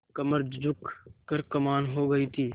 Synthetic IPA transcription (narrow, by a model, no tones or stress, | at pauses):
kɐməɾd͡ʒd͡ʒʊkʰkɐɾkɐmaːnɦoːɡɐit̪ʰiː